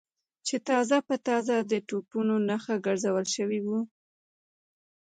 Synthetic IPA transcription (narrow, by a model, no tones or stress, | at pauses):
t͡ʃet̪ɑzapət̪ɑzad̪əʈupunonaxaɡəɾzawəlʃəwiwu